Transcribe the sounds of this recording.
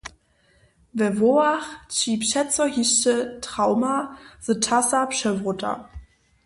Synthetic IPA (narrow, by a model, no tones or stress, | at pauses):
vɛvoaχt͡ʃiːpʃɛt͡sɔhiʃtətʁ̥aʊmaz̥ətʰasapʃɛvʁʊtʰa̰